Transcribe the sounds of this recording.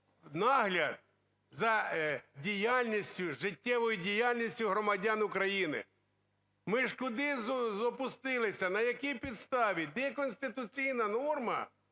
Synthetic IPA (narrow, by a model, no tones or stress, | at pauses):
nɑɦlʲɐd̪̚ | zɐdʲijalʲnʲisʲtʲʊʒɪtʲːɛʋɔjʊdʲijalʲnʲisʲtʲʊɦɾɔmɐdʲanʊkɾɐjinɪ̰ | mɪʃkʊd̪ɪzzɔpʊst̪ɪlˠɪsʲɐnɐjɐkʲijpʲid̪st̪ɑʋʲid̪ɛkɔnʲsʲt̪ɪt̪ʊt͡sʲijnɐnɔrmɐ̰